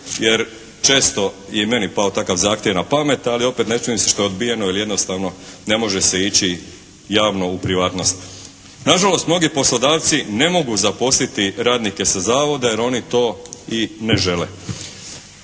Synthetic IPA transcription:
jeɾ | t͡ʃe̞ːst̪o̞ | jeme̞nipaot̪akaʋzaːxt̪jeʋnapame̞t̪alio̞pet̪net͡ʃuimseʃt̪o̞eod̪bijenoilije̞d̪nost̪aʋno̞ne̞mo̞ʒeseit͡ɕi | jaːʋno̞upɾiʋaːt̪no̞st̪ | naʒalo̞st̪mno̞ɡipo̞slˠod̪aːʋt̪sine̞mo̞ɡuzaposlit̪iɾaːd̪nike̞sazaːʋo̞d̪ajeɾo̞nit̪o̞ːineʒe̞le

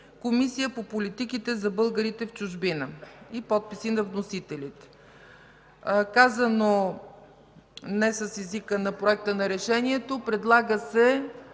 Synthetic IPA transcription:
komisijəpopolit̪ikit̪ɛzɐbɤlˠɡəɾit̪ɛft͡ʃʊʒbinəipɔt̪̚pisinɐvnosit̪ɛlit̪ɛ̥ | kazɐno | nɛsɐsɛzikənɐpɾoɛk̚t̪ənɐɾɛʃɛniɛt̪opɾɛd̪lˠaɡəsɛ

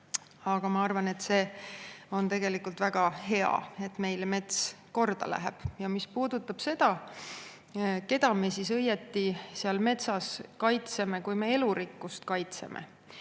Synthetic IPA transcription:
ɑɡ̥ɑmɑɑrvɑne̞t̪se̞ːo̞nt̪e̞ɡ̥e̞likˑult̪væɡ̥ɑɦe̞ɑ̰e̞t̪me̞jlme̞t̪sko̞rd̪̥ɑ̰læ̰ɦḛb̥jɑmispuːd̪̥ut̪ːˑɑb̥se̞d̪̥ɑ | ke̞d̪̥ɑme̞sis̬ɤjet̪ːisiɑlme̞t̪sɑskɑjt̪se̞me̞kujme̞e̞luɾikːˑust̪kɑjt̪se̞̰mʔḛ

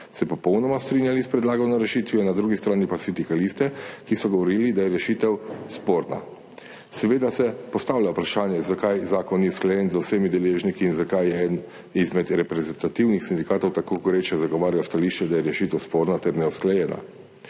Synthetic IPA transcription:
sɛpɔpɔwnɔmast̪ɾinjalispɾɛd̪laːɡɔwnaɾɛʃiːt̪ʋjɔnad̪ɾuːɡist̪ɾaːnipasind̪ikalist̪ɛkisɔɡɔʋɔɾiːlid̪ajɛɾɛʃit̪ɛwspoːɾna̰ | sɛʋeːd̪asɛpɔst̪awljaupɾaʃaːnjɛzakajzaːkɔnjɛwsklɛjɛnzawsɛmid̪ɛleːʒnikiːnzakajɛɛn | izmɛd̪ɾɛpɾɛzɛnt̪at̪iwnixsind̪ikaːt̪ɔwt̪akoɡuɾet͡ʃɛzaɡɔʋaːɾjast̪aliʃt͡ʃɛd̪ajɛɾɛʃit̪ɛwspoːɾnat̪ɛɾnɛusklɛjɛːna̰

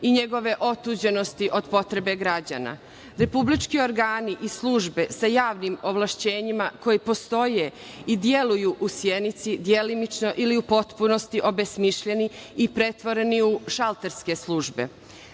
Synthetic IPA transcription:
iɲe̞ɡo̞ʋe̞ʔo̞t̪uːd͡ʑe̞no̞st̪iʔo̞d̪po̞t̪ɾe̞be̞ɡɾad͡ʑa̰na̰ | ɾe̞publit͡ʃkio̞ɾɡaːniʔislˠuːʒbe̞sajaːʋnimo̞ʋlˠaʃt͡ɕe̞ːɲimako̞jipo̞st̪o̞je̞id̪je̞lujuʔusjenit̪sid̪jelimit͡ʃno̞ʔiliupo̞t̪puno̞st̪iʔo̞besmiʃʎe̞niipɾe̞t̪ʋo̞ɾe̞niuʃalˠt̪eɾske̞slˠuːʒbe̞̰

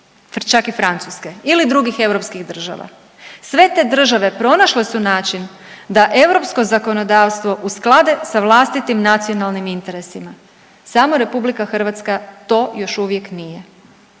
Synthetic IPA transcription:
ft͡ʃakifɾant̪suskeilid̪ɾuɡixe̞wɾo̞pskiɣd̪r̩ʒa̰ʋa̰ | sʋe̞t̪e̞d̪r̩ʒaʋe̞pɾo̞naʃle̞sunaːt͡ʃin | d̪aʔe̞wɾo̞psko̞zako̞no̞d̪aːʋst̪ʋo̞ʔusklˠad̪esaʋlˠast̪it̪imnat̪sio̞nalˠnimint̪e̞ɾe̞sima | samoɾe̞publikaxr̩ʋat̪skat̪o̞ːjo̞ʃuʋje̞knije̞

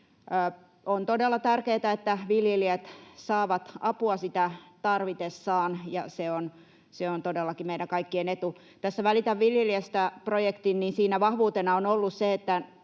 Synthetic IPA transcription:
ont̪odelːɑt̪ærkeːt̪æet̪ːæʋiljeliet̪sɑːʋɑt̪ɑpuɑsit̪æt̪ɑrʋit̪esːɑːnjɑseon | seont̪odelːɑkimeiɾæŋkɑikːienet̪u | t̪æsːæʋælit̪æʋʋiljeliest̪æprojekt̪inninsiːnæʋɑhʋuːt̪enɑonolːusseet̪ːæ

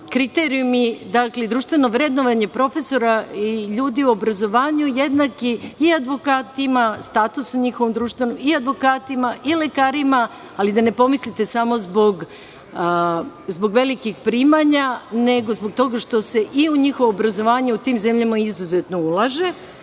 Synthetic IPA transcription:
kɾit̪eɾijumid̪akled̪ɾuːʃt̪ʋe̞no̞ʋɾe̞d̪no̞ʋaɲe̞pɾo̞fe̞so̞ɾaiʎuːd̪iuo̞bɾazo̞ʋaːɲujed̪nakiːad̪ʋo̞kaːt̪imast̪aːt̪usuɲixo̞ʋomd̪ɾuːʃt̪ʋe̞nomiad̪ʋo̞kaːt̪imaʔile̞kaːɾima | alid̪ane̞po̞mislit̪e̞samo̞zbo̞ɡ | zbo̞ɡʋe̞likixpɾiːmaɲane̞ɡozboɡ̚t̪o̞ɡaʃt̪o̞se̞ʔiuɲixo̞ʋoːbɾazo̞ʋaːɲe̞ut̪iːmze̞mʎamaizuze̞t̪noulˠaʒe̞

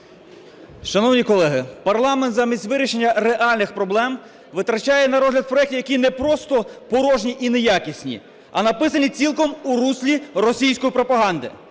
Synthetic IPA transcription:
ʃɐnɔwnʲikɔlˠɛɦɪpɐrlˠɑmɛnt̪zamʲisʲt̪ʲʋɪɾʲiʃe̞nʲːɐɾeʔɑlʲnɪxpɾɔblˠɛm | ʋɪt̪ɾɐt͡ʃajɛnɐɾɔzɦlʲɐd̪pɾɔjɛk̚tʲiwjɐkʲinɛpɾɔst̪ɔpɔɾɔʒnʲiʔinejakʲisʲnʲḭ | ɐnɐpɪsɐnʲit͡sʲilˠkɔmuɾusʲlʲiɾɔsʲijsʲkɔjipɾɔpɐɦɑnd̪ɪ̰

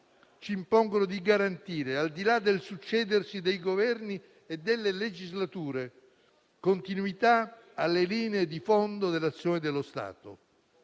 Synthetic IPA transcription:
t͡ʃiːmpɔŋɡonod̪iɡaɾant̪iːɾeald̪ilad̪ːelsut͡ʃːɛːd̪ersid̪ejɡovɛrni | ed̪ːelːeled͡ʒizlat̪uːɾe | kont̪inuit̪a | alːeliːneːd̪ifond̪od̪elːat̪sːjoːned̪elːost̪a̰ːt̪o̰

